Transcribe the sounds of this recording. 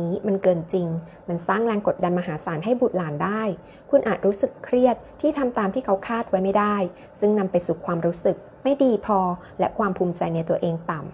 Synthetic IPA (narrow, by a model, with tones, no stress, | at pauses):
iː˦˥ma˧nkɤː˧nt͡ɕi˧ŋ | ma˧nsaː˥˩ŋlɛː˧ŋko˨˩t̪̚da˧nmaː˧ɦaː˩˦saː˩˦nɦa˥˩jbu˨˩t̪̚laː˨˩˦ndaː˥˩j | kʰu˧nʔaː˨˩t̪̚ɾuː˦˥sɯ˨˩kʰɾi˥˩ət̪̚ʰːiː˥˩t̪ʰa˧mt̪aː˧mt̪ʰiː˥˩kʰa˦˥wkʰaː˥˩t̪̚wa˦˥jma˥˩jdaː˥˩j | sɯ˥˩ŋna˧mpa˧jsuː˨˩kʰwaː˧mɾuː˦˥sɯ˨˩k̚ | ma˥˩jdiː˧pʰɔː˧ | lɛ˦˥ʔkʰwaː˧mpʰuː˧mt͡ɕa˧jna˧jt̪u˧ɐʔeː˧ŋt̪a˨˩m